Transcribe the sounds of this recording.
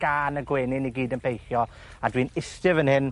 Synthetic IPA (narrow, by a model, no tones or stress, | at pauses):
ɡ̥aːnəɡweːnɪniɡiːdənpʰejχjɔ | adwiːnɪstɪvənhɪn